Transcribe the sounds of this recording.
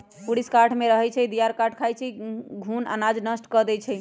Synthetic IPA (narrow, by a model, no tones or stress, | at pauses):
puɽiskaʈʰmeɾəɦɛt͡ʃʰɛd̪ijaɾkaʈʰkʰajt͡ʃʰɛɡʱuna̰nad͡ʒnəsʈkɔd̪ɛt͡ʃʰɛ